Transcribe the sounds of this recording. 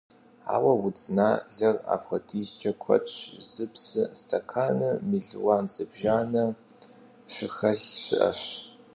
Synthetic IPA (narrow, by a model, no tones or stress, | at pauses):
a̰ːwɐwʊt͡sʼnaːɮɐra̰ːpxʷɐdiːzt͡ʃʼɐkʷʰɔ̰tʼɕz̥ɨpsɨstʰakʰaːnɨmiɮwaːnzɨbʒaːnɐ | ɕɪxɐɬɕɪ̰ʔɐ̰ɕ